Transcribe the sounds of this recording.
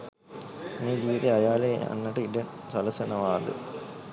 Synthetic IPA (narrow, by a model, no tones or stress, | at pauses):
niːd͡ʑiːʋit̪eɐjaːleɐ̰nːɐʈːɨidɐn | sɐlɐsɐnɐʋaːd̪ɨ̰